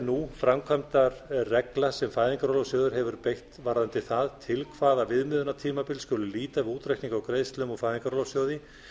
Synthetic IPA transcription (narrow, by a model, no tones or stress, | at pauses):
nufɾamkʰvamt̪aɾrɛklasɛmfajðiŋkaɾolɔsjɔːðʏɾ̥ɦɛvʏɾpejht̪vaɾðant̪ɪθaðt̪ʰɪlkʰvaːðavɪðmɪːðʏnat̪ʰiːmapɪlskʏːlʏliːt̪aɪuːt̪ɾajkniŋkawkɾejðst̪lœmufaːjðiŋkaɾɔːlɔwsjɔːwðɪ